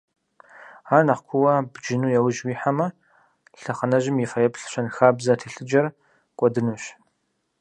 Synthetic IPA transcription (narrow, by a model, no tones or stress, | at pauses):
aːnɐχkʷʰʊwɐbd͡ʒɪnuːjɛwʒwiːħamɐ | ɬɐχɐnɐʒɪmjɛfɐjɛpɬɕʷɐnxaːbzɐtʰiːɬɨd͡ʒɐr | kʷʼɔdɨnuːɕ